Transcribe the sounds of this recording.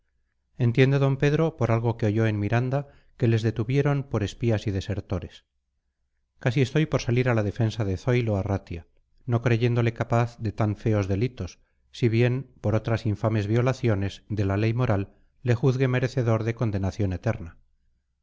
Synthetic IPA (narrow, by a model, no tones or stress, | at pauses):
e̞nt̪je̞nd̪eðo̞mpe̞ðɾo̞poɾalɣo̞keo̞ʝo̞e̞nmiɾand̪a | ke̞le̞zðe̞t̪uβje̞ɾo̞mpo̞ɾe̞spiasið̞e̞se̞ɾt̪o̞ɾe̞s | kasie̞st̪o̞jpo̞ɾsaliɾalaðe̞fe̞nsaðe̞θo̞jlo̞arat̪ja | no̞kɾe̞ʝe̞nd̪o̞le̞kapaθðe̞t̪aɱfe̞o̞zðe̞lit̪o̞sː | iβje̞mpo̞ɾo̞t̪ɾasiɱfame̞zβjo̞laθjo̞ne̞zðe̞lale̞jmo̞ɾʔalː | e̞xuθɣe̞me̞ɾe̞θe̞ðo̞ɾðe̞ko̞nd̪e̞naθjo̞ne̞t̪e̞ɾna